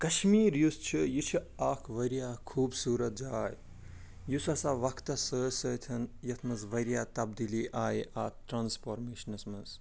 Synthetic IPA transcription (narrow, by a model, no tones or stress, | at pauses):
kɐʃmiːɾjust͡ʃʰijit͡ʃʰi | aːkʰʋɐɾijaːkʰuːbsuːɾɐt̪̚d͡ʒaːj | jusɐsaːʋɐkʰt̪ɐsəːsəːt̪ʰɐnjɐt̪ʰmɐzʋɐɾjaːt̪ɐbd̪iliːʔaːjʔaːt̪ɾaːnspoːɾmeːʃɐnɐsmɐz